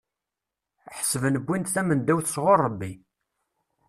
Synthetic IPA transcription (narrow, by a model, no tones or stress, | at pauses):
ħəsəvənəbːint̪θæmənd̪æwθə̥sʁoɾˤːəbːi